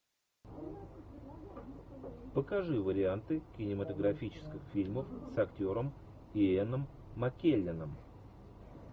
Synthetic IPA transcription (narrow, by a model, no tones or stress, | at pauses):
pəkɐʐɨvəɾʲɪant̪ɨkʲɪnʲɪmət̪əɡɾɐfʲit͡ɕɪ̥skʲɪxfʲilʲməfsɐktʲo̞ɾəm | ɪenəmː | ɐkʲelʲːɪnəm